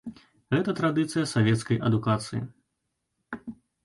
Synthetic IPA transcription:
ɣɛt̪ɐt̪ɾad̪ɨt̪sɨjɐsavʲɛt̪skɐjʔɐd̪ukat̪sɨ̰jḭ

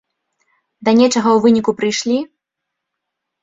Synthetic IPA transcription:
d̪ɐnʲɛt͡ʂɐɣɐwvɨnʲikupɾɨjʂlʲi

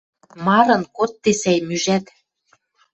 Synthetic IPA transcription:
mɑɾɤ̆nkot̪ːesæjmyʒæt̪

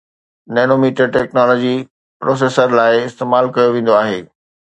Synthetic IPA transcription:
nenomiːʈəɾʈɛːknɔːlɔd͡ʑi | pɾoːs̬eːsəɾlaːɪɪst̪eːmaːlkɐjoʋẽːn̆d̪oaːɦeː

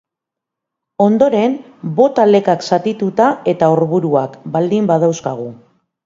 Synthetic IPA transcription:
o̞nd̪o̞ɾe̞m | bo̞t̪ale̞kaksat̪it̪ut̪ae̞t̪aoɾβuɾuakbald̪imbað̞awskaɣ̞u

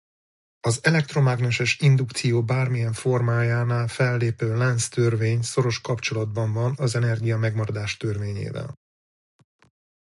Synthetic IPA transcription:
ɒzɛlɛk̚t̪ro̞maɡnɛʃɛʃind̪ukt̪sijoːbaːrmijɛɱfo̞rmaːjaːnaːlfɛlːeːpøːlɛnst̪ø̞rveːɲso̞ɾo̞ʃkɒpt͡ʃo̞lɒd̪̚bɒɱvɒnɒzɛnɛrɡijɒmɛɡmɒɾɒd̪aːʃt̪ørveːɲḛːvɛ̰l

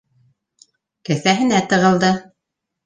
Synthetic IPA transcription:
kæθæɦɘ̆næt̪ɤ̆ʁɤ̆lˠd̪ɤ

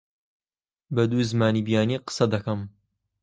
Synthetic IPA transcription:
bɐd̪uːzɨmaːniːbijaːniqɨ̥sɐd̪ɐkɐm

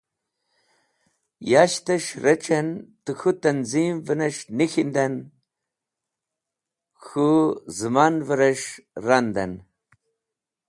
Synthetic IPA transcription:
jaɕt̪ɐʂɾɐt͡ʃʰɐnt̪ɨxut̪ɐnzimvɨnɐʂnixind̪ɐn | xuzɨmanvəɾɐʂrand̪ɐn

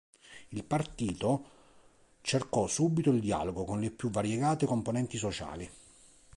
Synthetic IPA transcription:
ilpart̪iːt̪o | t͡ʃerkɔsuːbit̪oild̪ia̰ːloɡokonlɪpːjuvːaɾjɛɡaːt̪ɪkomponɛnt̪isot͡ʃa̰ːli

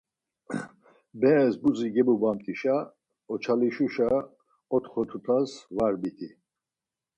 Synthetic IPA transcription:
bɛːsbuziɡɛbubamt̪ʼiʃa | ɔt͡ʃʰaliʃuʃa | ɔt̪ʰχɔt̪ʰut̪ʰasvaɾbit̪ʰi

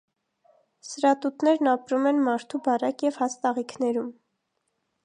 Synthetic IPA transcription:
səɾɑt̪ut̪nɛɾnɑpɾumɛnmɑɾt̪ʰubɑɾɑkjɛv̥hɑst̪ɑʁikʰnɛɾum

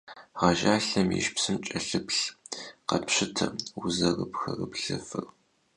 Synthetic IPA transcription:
ʁɐʒaːɬɐmjḭʃpsɨmt͡ʃʼɐɬɨpɬqɐpɕɪtʰɐuzɐrəpxɐrəpɬɨfɨr

